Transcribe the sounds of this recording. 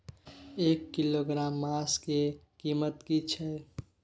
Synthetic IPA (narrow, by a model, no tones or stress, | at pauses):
eːkːiloɡɾaːmːaːske | kiːmət̪kit͡ʃʰɛ